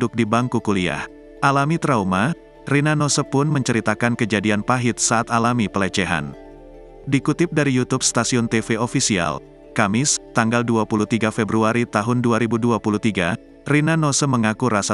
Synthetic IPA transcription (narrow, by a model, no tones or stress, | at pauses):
dʊk̚dibaŋkukulia̰h | ʔalamit̪ɾauma | rinanosəpʊnməɲt͡ʃəɾit̪akankəd͡ʒadianpaɦɪt̪̚saːt̪alamipələt͡ʃɛɦa̰n | dikut̪ɪp̚daɾijut̪up̚st̪asiɔnt̪efeofisia̰l | kamɪst̪aŋɡalduapuluht̪iɡafebɾuaɾit̪aɦʊnduaɾibuduapuluht̪iɡa | rinanosəməŋakuɾasa